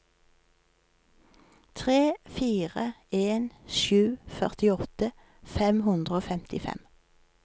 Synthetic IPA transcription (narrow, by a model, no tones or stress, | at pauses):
t̪ʰʁeːfiːʁəeːnʃʉːfœʁt̪ɪɔt̪ə | fɛmhʉnd̪ʁəoːfɛmt̪ɪfɛ̰m